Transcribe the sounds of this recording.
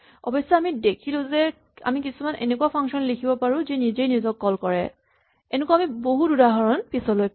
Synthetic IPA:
ɔ̰bɔjsːɔamidekʰilʊ̃zɛ | a̰mik̬isumanʔḛnekuwapʰaŋsɔnlikʰibɔpaɹʊ̃zinizejnizɔkːɔlkɔɹɛ̰ | ɛnɛkuamiboɦududaɦɔɹɔnpisɔloj

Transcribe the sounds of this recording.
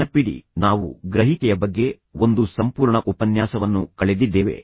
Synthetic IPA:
ɐpiɽḭnaːʋṵɡɾɐɦikɛjɐbɐɡːe̞ | o̞nd̪usɐmpuːɾɳɐʔupɐnjaːsɐʋɐnːukɐɭed̪id̪ːeːʋe̞̰

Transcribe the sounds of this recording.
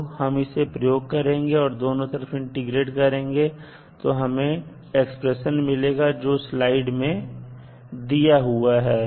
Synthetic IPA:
hɐmɪsepɾɐjoːɡ̚kɐɾẽːŋɡeɔːɾd̪oːnõt̪ɐɾəfɪ̃ɳʈɪɡɾeːʈkɐɾẽːŋɡe | t̪oɦɐmẽ | ekspɾeʃənmɪleːɡad͡ʒoːslaːɪɖmẽ | d̪ijaɦuaɦɛː

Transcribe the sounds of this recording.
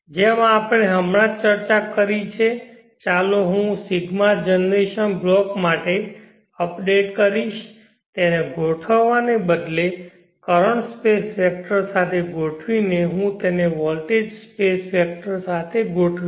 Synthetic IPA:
d͡ʒemãːpɽ̃eɦəmɾãt͡ʃəɾt͡ʃakəɾit͡ʃʰe | t͡ʃaloɦũsiɡmad͡ʒənɾeʃənblɔkmaʈe | əpɖeʈ̚kəɾiʃ | t̪eneɡʱoʈʰəʋːanebəd̪le | kəɾəɳʈspesfɛk̚ʈəɾsat̪ʰeɡʱoʈʰʋineɦũt̪eneʋɔlʈed͡ʒspesfɛk̚ʈəɾsat̪ʰeɡʱoʈʰʋi

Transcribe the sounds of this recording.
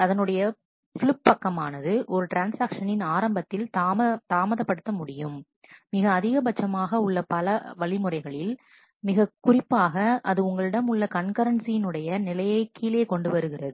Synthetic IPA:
ɐðɐnɯɽɐjɐ | fɭʊpːɐkːɐmaːnɐðɯʔɔɾɯʈɾaːnsaːkʂɐnɪnaːɾɐmbɐt̪ːɪlt̪ːt̪aːmɐðɐpːɐɽɯt̪ːɐmʊɽɪjɯmː | ɪɣɐːðɪɣɐbɐt͡ʃːɐmaːɣɐʊɭːɐpɐlɐʋɐɭɪmɯrɐɪɣɐɭɪl | mɪɣɐkʊrɪpːaːɣɐɐðɯʊŋɡɐɭɪɽɐmʊɭːɐkɐɳkɐɾɐnsijɪnɯɽɐjɐnɪlɐjɐɪkʰːiːleːkɔɳɖɯʋɐɾɯɣɪrɐðɯ

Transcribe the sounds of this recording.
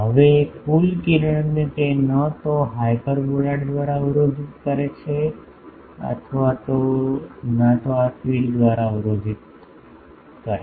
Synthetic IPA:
ɦəʋekulkiɾəɳənnet̪enət̪oɦajpəɾbolaɽd̪ʋaɾaʋəɾod͡ʒit̪kəɾet͡ʃʰe | ə̰t̪ʰʋat̪o | nat̪oat̪ʋild̪ʋaɾaʋəɾod͡ʒit̪̚ | kəɾe

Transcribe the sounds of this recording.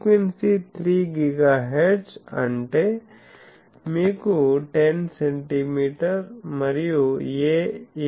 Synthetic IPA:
kwensit̪ʰɾiɡɪɡaɦeɾɖsɐ̰ɳʈe | mikuʈensẽɳʈimiːʈəɾmɐɾijoje

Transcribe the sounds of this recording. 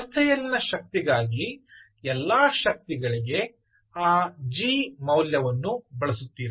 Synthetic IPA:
ɐst̪ʰɛjɐlːinɐʃɐk̚t̪iɡaːɡi | ɛlːaːʃɐk̚t̪iɡɐɭiɡe̞ | aːd͡ʒiːmɐwljɐʋɐnːubɐɭɐsut̪ːiːɾ

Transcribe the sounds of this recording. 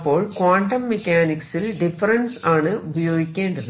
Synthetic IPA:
pːoːɭkʋaːɳʈɐmːɛkːaːnɪksɪlɖɪfɐɾɐnsaːnɯʔʊbɐjoːɡɪkːeːɳɖɐnd

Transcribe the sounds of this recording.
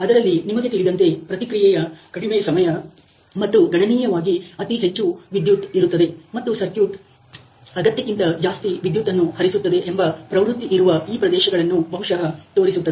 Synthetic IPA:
ɐd̪ɐɾɐlːinimɐɡet̪iɭid̪ɐnt̪e̞pɾɐt̪ikɾijɛjɐkɐɽimeːsɐmɐjɐ | mɐt̪ːuɡɐɳɐniːjɐʋaːɡiɐt̪iɦe̞t͡ʃːuʋid̪jut̪iɾut̪ːɐd̪e̞mɐt̪ːusɐɾkjuːʈ | ɐɡɐt̪jɐkint̪ɐd͡ʒaːst̪iʋid̪jut̪ːɐnːuhɐɾisut̪ːɐd̪eʔembɐpɾɐʋɾut̪ːiʔːɾuʋɐiːpɾɐd̪ɛːʃɐɡɐɭɐnːubʱɐɦuʂɐɦɐt̪oːɾisut̪ːɐd̪e

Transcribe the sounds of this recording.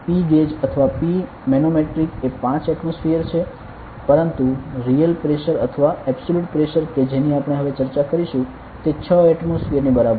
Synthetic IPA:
piɡed͡ʒət̪ʰəʋapi | menomeʈɾikepãt͡ʃɛʈmosfiəɾt͡ʃʰe | pəɾənt̪uɾijəlpɾeʃəɾə̰t̪ʰəʋaɛbsoluʈpɾeʃəɾked͡ʒeniapəɽ̃eɦəʋet͡ʃəɾt͡ʃakəɾiʃũ | t̪et͡ʃʰəɛʈmosfiəɾnibəɾabə

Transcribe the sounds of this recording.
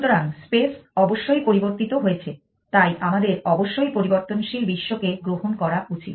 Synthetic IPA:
ʃut̪oɾaŋspesɔboʃːojpoɾiboɾt̪it̪oɦoet͡ɕʰe | t̪ajʔamad̪eɾɔboʃːojpoɾiboɾt̪onʃilbiʃːokeɡɾoɦonkɔɾaʔut͡ɕit̪̚

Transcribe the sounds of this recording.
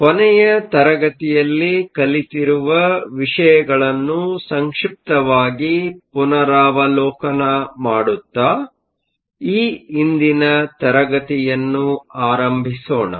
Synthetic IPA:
kɔnɛjɐt̪ɐɾɐɡɐt̪ijɐlːikɐlit̪iɾuʋɐʋiʂɐjɐɡɐɭɐnːusɐŋkʂip̚t̪ɐʋaːɡipunɐɾaːʋɐlɔːkɐnɐmaːɽut̪ːaː | iːind̪inɐt̪ɐɾɐɡɐt̪ijɐnːuaːɾɐmbʱisoːɳɐ̰

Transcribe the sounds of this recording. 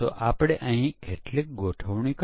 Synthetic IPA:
oʔapɽ̃eʔə̃ɦĩkʰeʈlek̚ɡʱoʈʰəʋɳ̃ik

